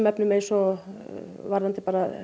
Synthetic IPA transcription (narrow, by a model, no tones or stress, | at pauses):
mɛpnʏmeːsɔ | vaɾant̪ɪpaːɾa